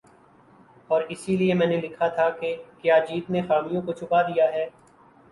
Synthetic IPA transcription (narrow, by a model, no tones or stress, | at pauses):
ɔːɾɪsiliemɛ̃ːnelɪkʰat̪ʰakekjaːd͡ʒiːt̪nexaːmijõkot͡ʃʰʊpad̪ijaɦɛː